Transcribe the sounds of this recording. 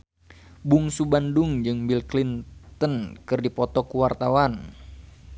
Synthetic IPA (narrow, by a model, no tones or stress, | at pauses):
buŋsubandʊŋd͡ʒɨŋbilklint̪ənkɨrdipɔt̪ɔkuwart̪awan